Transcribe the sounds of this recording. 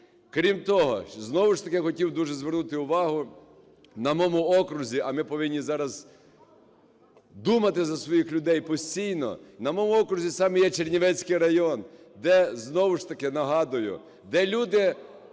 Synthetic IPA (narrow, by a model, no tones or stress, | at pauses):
kɾʲimt̪ɔɦɔ̰znɔʋʊʃt̪ɐkɪxɔtʲiwd̪uʒɛzʋernut̪ɪʊʋɑɦʊ | nɐmɔmʊɔkɾʊzʲiʔɐmɪpɔʋɪnʲːizɑɾɐz | d̪umɐt̪ɪzɐsʋɔjixlʲʊd̪ɛjpɔsʲt͡sʲijnɔ̰nɐmɔmʊɔkɾʊzʲisɑmɪjɛt͡ʃerʲnʲiʋɛt͡sʲkɪjɾɐjɔn | d̪ɛznɔʋʊʃt̪ɐkɪnɐɦɑd̪ʊjʊ̰ | d̪ɛlʲud̪ɪ